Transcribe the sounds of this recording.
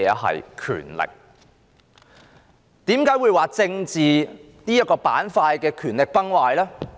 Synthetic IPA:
ɛ˨˧ɦɐ̰˨jkʰy̰ː˨˩nlɪ̰˨k̚ | t̪iː˨˥mkaː˨˥jwuː˨˧jwaː˨t͡sɪ˧ŋt͡siː˨ | niː˥jɐ˥t̚kɔː˧paː˨˥nfaː˧jkɛː˧kʰyː˨˩nlɪ˨k̚pɐ˥ŋwaː˧jlɛː˥

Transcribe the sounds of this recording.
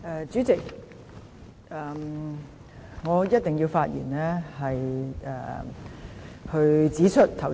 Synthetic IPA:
ʔɛː˧t͡syː˨˥t͡sɪ˨k̚ | ɛː˨m | ŋɔː˨˧jɐ˥t̚t̪ɪ˨˩ŋjiː˧wfaː˧t̚jḭː˨˩nlɛː˥hɐ˨jʔɛ̰ː˨ | hɵ˧ɥt͡siː˨˥t͡ʃʰɵ˥t̚t̪ʰɐ˨˩w

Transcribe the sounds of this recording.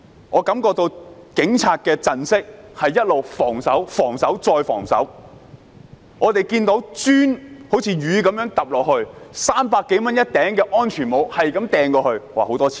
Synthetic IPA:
ŋɔː˨˧kɐ˨˥mkɔː˧k̚t̪o˧wkɪ˨˥ŋt͡sʰaː˨˧t̚kɛː˧t͡sɐ˨nsɪ˥k̚hɐ˨jːɐ˥t̚lo˨wfɔː˨˩ŋsɐ˨˥wfɔː˨˩ŋsɐ˨˥wt͡sɔː˧jfɔ̰ː˨˩ŋsɐ̰˨˥w | ŋɔː˨˧t̪e˨jkiː˧nt̪o˨˥wt͡ʃyː˥nho˨˥wt͡sʰiː˧ɥyː˨˧kɐ˨˥mjœː˨˥ŋt̪ɐ˨˩p̚lɔː˨k̚hɵ˧ɥsaː˥mpaː˧kːe˨˥jmɐ˥njɐ˥t̚t̪ɛː˨˥ŋkɛː˧ʔɔː˥nt͡ʃʰyː˨˩nmo˨˧whɐ˨jkɐ˨˥mt̪ɛː˨ŋkɔː˧hɵ˧ɥwaː˨˩ho˨˥wt̪ɔː˥t͡sʰi̥ː˨

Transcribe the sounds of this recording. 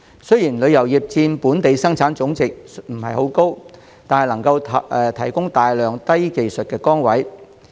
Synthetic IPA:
sɵ˥jiː˨˩nlɵ˨˧ɥjɐ˨˩wjiː˨˩p̚t͡siː˧npuː˨˥nt̪e˨jsɐ˥ŋt͡sʰaː˨˥nt͡sʊ˨˥ŋt͡sɪ˨k̚m̩˨˩hɐ̰˨jho˨˥wko˥w | t̪aː˨nhɐ˨˩jlɐ˨˩ŋkɐ˧wʰʔɛ˨t̪ʰɐ˨˩jkʊ˥ŋt̪aː˨jlœː˨ŋt̪ɐ˥jke˨jsɵ˨t̚kɛː˧kɔː˥ŋwɐ˨˥j

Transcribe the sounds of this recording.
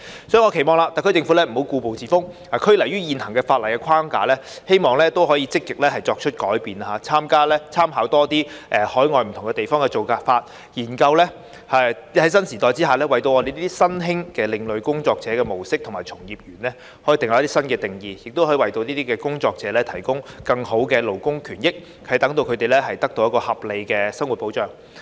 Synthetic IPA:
sɔ˨˥jŋɔ˨˧kʰe˨˩jmɔː˨˧ŋla˨˧t̪aː˨kʰt͡sɪ˧ŋfu˨˥lɛː˥m̩˨˩ho˨˥wkuː˧po˨wt͡siː˨˩fʊ˥ŋhaː˨˩kʰɵ˥lɐ˨˩jyː˥jiː˨˧nhɐ˨˩ŋkɛː˧faː˧t̚lɐ˨˩jkɛː˧kʰaː˥ŋkaː˨˧lɛː˥ | he˥jmɔː˨ŋlɛː˦˥t̪o˥wɦɔː˨˥jiː˧t͡sɪ˥kːɪ˨k̚lɛː˥hɐ˨jt͡sɔː˧k̚t͡ʃʰɵ˥t̚kɔː˨˥jpiː˨na˧haː˨˧˥t͡sʰaː˥mkaː˥lɛː˥t͡sʰaː˥mɦaː˨˥wt̪ɔː˥t̪iː˥ʔɛ˨˧hɔː˨˥jŋɔː˨jm̩ʰ˨˩ʊ˨˩ŋkɛ˧t̪e˨jfɔː˥ŋkɛ˧t͡so˨wkaː˧tfaː˧t̚ | jiː˨˩nkɐ˧wlɛː˥ | hɐ˨˥hɐ˨˥jsɐ˥nsiː˨˩t̪ɔː˨jt͡siː˥ɦaː˨lɛː˥wɐ˨˩jt̪o˧wʔɔː˨˧e˨jniː˥t̪iː˥sɐ˥nɦɪ˥ŋkɛː˧lɪ˨˧ŋlɵ˨ɥkʊ˥ŋt͡sɔː˧k̚t͡sɛː˨˧˥kɛː˧mo˨˩wsɪ˥k̪̚ʰʊ˨˩ŋmaː˨˩jt͡sʰʊ˨˩ŋjiː˨p̚jyː˨˩nlɛ˥ | hɔ˨˥jiː˨˧t̪ɪ˨ŋa˨˧˦t̪iː˥sɐ˥nkɛː˧t̪ɪ˨˩ŋjiː˨jɪ˨k̚t̪o˥whɔ˨˥i˨˧wɐ˨jt̪o˧wniː˥t̪iː˥kɛː˧kʊ˥ŋt͡sɔː˧k̚t͡sɛː˨˥lɛː˥t̪ʰɐ˨˩jkʊ˥ŋkɐ˧ŋho˨˥wkɛː˧lo˨˩wkʊ˥ŋkʰyː˨˩njɪ˥k̚ | hɐ˨jt̪ɐ˨˥ŋt̪o˧wkʰɵ˨˧t̪e˨jlɛ˥ɦɐ˨jt̪ɐ˥k̚t̪o˧wjɐ˥kɔː˧hɐ˨p̚le˨˧jkɛː˧sɐ˥ŋwu˨t̚po˨˥wt͡ʃœː˨ŋ

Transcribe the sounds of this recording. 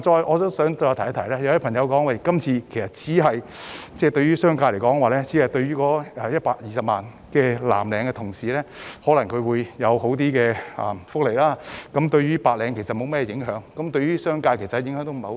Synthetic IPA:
t͡ʃɔː˧jʔɔː˨˧t̪ɔ˥sœː˨˥ŋt̪ɔː˧jt̪ʰt̪ʰjlaː˥jpʰɐ˨˩ŋjɐ˨˧wkɔː˨˥ŋwɐ˨˧jkɐ˥mt͡sʰiː˧kʰe˨˩jsɐ˨t̚t͡sʰiː˨˥ɦɐ˨jt͡sɛː˥˩t̪ɵ˧ɥyː˥sœː˥ŋkaː˧le˨˩jkɔː˨˥ŋwaː˨˩lɛː˥t͡sʰiː˨˥hɐ˨˩jt̪ɵ˧ɥyː˥kɔː˨˥ɛː˨jɐ˥t̚paː˧k̚jiː˨sɐ˨p̚maː˨n | kɛː˧la̰ː˨˩mlɛː˨˧ŋkɛ˧t̪ʰʊ˨˩ŋsiː˨lɛː˥hɔː˨˥lɐ˨˩ŋkʰɵ˨˧wuː˨˧jːɐ˨˧who˨˥wt̪̬iː˥kɛː˧ɐ̰ː˨˩fʊ˥k̚le˨˩laː˥kɐ˨˥mt̪ɵ˧ɥyː˥paː˧t̚lɛː˨˧ŋkʰe˨˩jsɐ˨t̚mo˨˧wmɛː˥ɛ˧jɪ˨˥ŋɦœː˨˥ŋkɐ˨˥mt̪ɵ˧ɥyː˥sœː˥ŋkaː˧kʰe˨˩sɐ˨˧jɪ˨˥ŋhœː˨˧˥ŋt̪o˥m̩˨˩ho˨˧˥

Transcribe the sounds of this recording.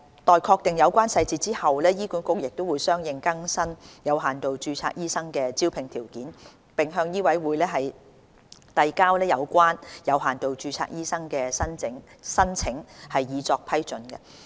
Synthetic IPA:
t̪ɔː˨jkʰɔː˧k̚t̪ɪ˨˩ŋjɐ˨˧wkʷwaː˥nsɐ˧jt͡siː˧t͡siː˥hɐ˨wlɛː˥jiː˥kuː˨˥nkʊ˥k̚jɪ˨k̚t̪o˥wuː˨˧jsœː˥ŋjɪ˨ŋkɐ˥ŋsɐ˥njɐ˨˧wɦaː˨˩nt̪o˨wt͡ʃyː˧t͡sʰa̰ː˧k̚jiː˥sɐ˥ŋkɛː˧t͡siː˥wpʰɪ˨˩ŋt̪ʰiː˨˩wkiː˨˥n | pɪ˨ŋɦœː˧ŋjiː˥wɐ˨˥jwuː˨˧jlɛː˥ɦɐ˨j | t̪ɐ˨˧jkaː˥wlɛː˥jɐ˨˧wkʷaː˥njɐ˨˧wɦaː˨˩nt̪o˨wt͡ʃyː˧t͡sʰa̰ː˧k̚jiː˥sɐ˥ŋkɛː˧sɐ˥nɪ˨˥ŋsɐ˥nt͡sʰɪ˨˥ŋhɐ˨jjiː˨˧t͡sɔː˧k̚pʰɐ˥jt͡sɵ˨nkɛ̰˧

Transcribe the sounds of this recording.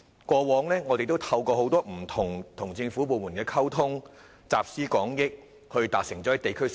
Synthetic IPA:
kɔː˧wɔː˨˥ŋlɛː˥ŋɔː˨˧e˨jt̪o˥wt̪ʰɐ˧wkɔː˧ɦo˨˥wt̪ɔː˥m̩˨˩t̪ʰʊ˨˩ŋt̪ʰʊ˨˩ŋt͡sɪ˧ŋfuː˨˥p̬o˨muː˨˩nkɛː˧kʰɐ˥wt̪ʰʊ˥ŋ | t͡saː˨p̚siː˥kɔː˨˥ŋjɪ˥k̚ | hɵ˧ɥt̪aː˨k̚sɪ˨˩ŋt͡sɔ˨˥ɐ˨˥jt̪e˨jkʰɵ˥

